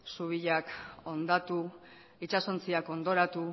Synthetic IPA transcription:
suβiʎako̞nd̪at̪u | it͡ʃaso̞nt͡siako̞nd̪o̞ɾat̪u

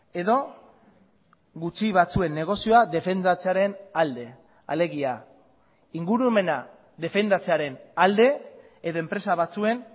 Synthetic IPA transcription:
e̞ðo̞ | ɣut͡ʃiβat͡sue̞nːe̞ɣ̞o̞sio̞aðe̞fe̞nd̪at͡se̞aɾe̞nald̪e̞ | a̰le̞ɣia | iŋɡuɾume̞na | ðe̞fe̞nd̪at͡se̞aɾe̞nald̪e̞ | eðo̞e̞mpɾe̞saβat͡sue̞n

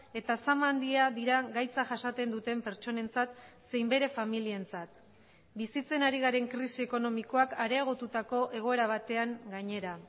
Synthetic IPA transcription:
e̞t̪asamand̪iaðiɾaɣajt͡saʝasat̪e̞nd̪ut̪e̞mpe̞ɾt͡ʃo̞ne̞nt͡sat̪se̞jmbe̞ɾe̞familie̞nt͡sat̪ | bisit͡se̞naɾiɣ̞aɾe̞ŋkɾisie̞ko̞no̞miko̞akaɾe̞aɣ̞o̞t̪ut̪ako̞ʔe̞ɣ̞o̞e̞ɾaβ̞at̪e̞aŋɡaɲe̞ɾa

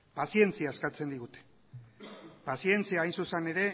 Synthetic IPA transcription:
pasie̞nt͡siaeskat͡se̞nd̪iɣut̪e̥ | pasie̞nt͡siaːjnsusene̞ɾe̞

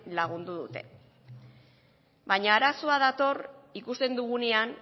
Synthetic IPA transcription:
laɣ̞und̪uðut̪e̞̰ | baɲaːɾaso̞aðat̪o̞rikust̪e̞nd̪uɣunean

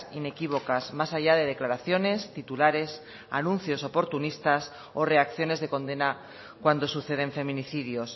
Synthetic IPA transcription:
ine̞kiβ̞o̞kazmasaʝaðe̞ð̞e̞klaɾaθjo̞ne̞st̪it̪ulaɾe̞s | a̰nũnθjo̞so̞po̞ɾt̪unist̪as | o̞re̞akθjo̞ne̞zðe̞kõ̞nd̪e̞na | kwand̪o̞suθe̞ð̞e̞ɱfe̞mĩniθiðjo̞s

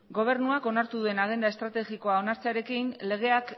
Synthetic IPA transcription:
ɡo̞β̞e̞ɾnuako̞naɾt̪uðue̞naɣ̞e̞nd̪ae̞st̪ɾat̪e̞ɣiko̞ao̞naɾt͡seaɾe̞kinle̞ɣ̞e̞ak

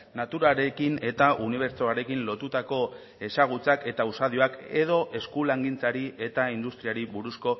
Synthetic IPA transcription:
nat̪uɾaɾe̞kine̞t̪aʔuniβ̞e̞ɾt͡soaɾe̞kinlo̞t̪ut̪ako̞ | e̞saɣ̞ut͡sake̞t̪ausað̞io̞ake̞ðo̞ʔe̞skulaŋɡint͡saɾie̞t̪aind̪ust̪ɾiaɾiβuɾusko̞

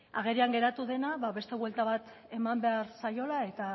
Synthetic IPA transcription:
aɣ̞e̞ɾiaŋɡe̞ɾat̪uðe̞naβaβe̞st̪e̞βwe̞lt̪aβat̪ | e̞mambe̞aɾsajo̞lae̞t̪a

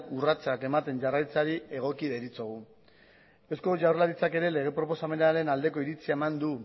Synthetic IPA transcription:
urat͡sake̞mat̪e̞nʝarajt͡saɾie̞ɣ̞o̞kiðeɾit͡soɣu | e̞sko̞ʝawrlaɾit͡sake̞ɾe̞le̞ɣ̞e̞pɾo̞po̞same̞naɾe̞nald̪e̞ko̞iɾit͡siae̞mand̪u

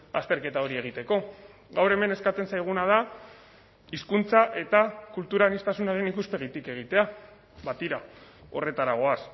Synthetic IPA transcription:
a̰st̪e̞ɾke̞t̪ao̞ɾie̞ɣ̞it̪e̞ko̞ | ɣawɾe̞me̞ne̞skat͡s̪e̞nsajɣ̞unað̞a | iskunt͡saʔe̞t̪akult̪uɾanist̪asunaɾe̞nikuspe̞ɣ̞it̪ike̞ɣ̞it̪e̞a | βat̪iɾao̞re̞t̪aɾaɣ̞o̞as

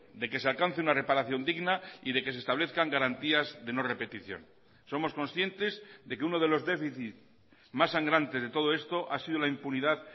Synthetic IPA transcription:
d̪e̞ke̞s̬e̞alkan̟θeunare̞paɾaθjo̞nd̪iɣnaiðe̞kes̬est̪aβ̞leθkaŋɡaɾant̪iazðe̞no̞re̞pe̞t̪iθjo̞̰n | so̞mo̞sko̞nsθje̞nt̪e̞zðe̞keuno̞ð̞e̞lo̞zde̞fiθit̪ | masːaŋɡɾant̪e̞zðe̞t̪o̞ð̞o̞e̞st̪o̞ʔasið̞olaimpuniðað

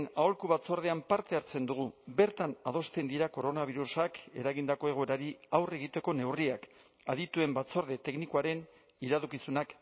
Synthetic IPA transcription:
nao̞lkuβat͡so̞ɾð̞e̞ampaɾt̪e̞aɾt͡se̞nd̪uɣ̞ube̞ɾt̪anað̞o̞st̪e̞nd̪iɾako̞ɾo̞naβ̞iɾusake̞̰ɾaɣind̪ako̞e̞ɣ̞oeɾaɾiawre̞ɣ̞it̪e̞ko̞ne̞wriak | aðit̪ue̞mbat͡so̞ɾð̞e̞t̪e̞knikuaɾe̞n | iɾaðukisunak

